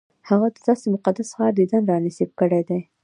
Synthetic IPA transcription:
haɣad̪əd̪ɑsemʊqad̪asxɑɾd̪əd̪anɾɑnɪsib̚kəɽed̪aj

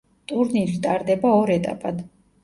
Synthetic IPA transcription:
t̪ʼuɾniɾit̪ʼaɾd̪ɛbaɔɾɛt̪ʼa̰pʼad̪

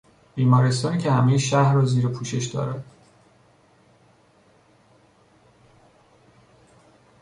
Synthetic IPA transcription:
b̥iːmɒːɾest̪ɒːniːcʰe̞hæmejeʃæhɒːziːɾepʰuːʃe̞ʃd̪ɒ̰ːɾæd̪̥

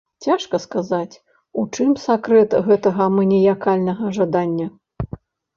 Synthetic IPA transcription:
t͡sʲaʂkɐskazat͡sʲ | ut͡ʂɨmsakɾɛt̪ɣɛt̪ɐɣɐmɨnʲɛjakalʲnɐɣɐʐad̪anʲːɐ

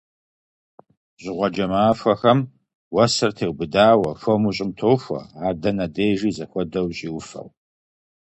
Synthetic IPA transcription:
ɕʼɪʁʷɔd͡ʒɐmaːfʷɐxɐm | wɐsɐrtʰeːwbɨdaːwɐfʷɔmuɕʼɪmtʰoːfʷɔ̰aːdɐnɐdeːʒiːzɐxʷɔdɐwɕʼiːwʊfɐ̰w

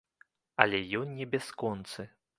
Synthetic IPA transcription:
ɐlʲɛjɔnnʲɛbʲaskɔnt̪sɨ

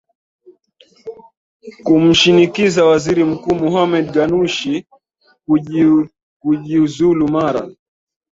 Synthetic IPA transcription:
kum̩ʃinikizawaziɾim̩kuːmɔɦamɛd̚ɡanuʃi | k | kuʄiuzulumaɾa̰

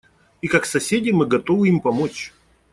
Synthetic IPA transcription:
ikɐksɐsʲedʲɪmɨɡɐt̪ovɨimpɐmot͡ɕ

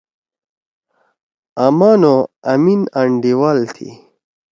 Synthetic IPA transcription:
amaːnoaminaɳɖiwaːlt̪ʰḭ

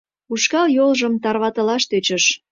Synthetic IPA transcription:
uʃkɑljolʒə̆mt̪ɑrβɑt̪əlɑʃt̪øt͡ɕəʃ

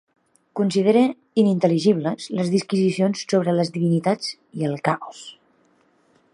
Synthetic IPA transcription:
kunsið̞eɾə | inint̪əliʒiβ̞ləzləzðiskizisionsːoβɾələzðiβinit̪ad͡z | iəlˠkaɔs

